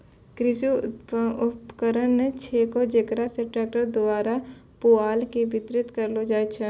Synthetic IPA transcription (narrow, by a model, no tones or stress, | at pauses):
kɾɪsuʊpkəɾənːet͡ʃʰeːkɔd͡ʒekɾaseʈaːk̚ʈəɾd̪ʊaːɾa | poaːlkebɪt̪ɾɪt̪kəɾlod͡ʒaːjt͡ʃʰɛ